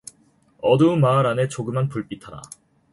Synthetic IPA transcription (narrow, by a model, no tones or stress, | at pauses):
ʌdumaɾane̞t͡ɕoɡɯmanpuɭp͈itʰaɾa̰